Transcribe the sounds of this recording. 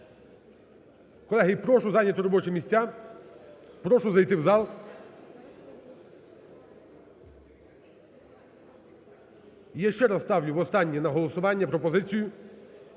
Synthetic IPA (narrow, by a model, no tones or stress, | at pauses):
kɔlˠɛɦɪpɾɔʃʊzɑnʲɐt̪ɔɾɔbɔt͡ʃɛmʲisʲt͡sʲa | pɾɔʃʊzɐjt̪ɪwzɑlˠ | jaʃt͡ʃɛɾɐsst̪ɑwlʲʊʋɔst̪ɑnʲːinɐɦɔlˠɔsʊʋɑnʲːɐpɾɔpɔzɪt͡sʲijʊ